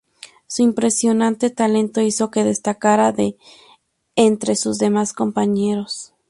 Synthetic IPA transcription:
suimpɾe̞sjo̞nãnt̪e̞t̪ale̞nt̪o̞iso̞ke̞ðe̞st̪akaɾaðe | nt̪ɾe̞suzðe̞masko̞mpaɲe̞ɾos

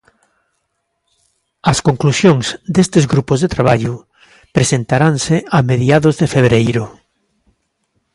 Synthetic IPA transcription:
ɐskoŋklusjõŋzd̪est̪ezɡɾupozðet̪ɾaβ̞aʎʊ | pɾesent̪aɾaŋsɪameðjaðozðefeβɾejɾʊ

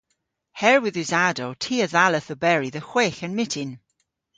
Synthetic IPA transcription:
hɛɹwɪðɨzadowtʰiːəðaləθəbɛɹiðəxweːxənmɪtʰɪn

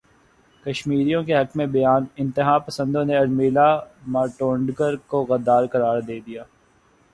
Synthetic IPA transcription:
kɐʃmiːɾijõkeɦɐkmẽbɐjaːnɪ̃nt̪ɪɦaːpɐsə̃nd̪õneɐɾmiːlamaːʈõːɳɖɡəɾkoɣɐd̪ːaːɾkɐɾaːɾd̪eːd̪ijaː

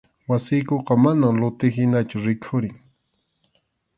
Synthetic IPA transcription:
wasɪjkoqɑmanamlʊt̪ɪɦɪnat͡ʃʊɾɪkʰʊɾɪŋ

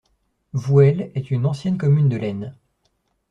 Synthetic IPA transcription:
vuɛlɛt̪ynɑ̃sjɛnkɔmynd̪əlɛn

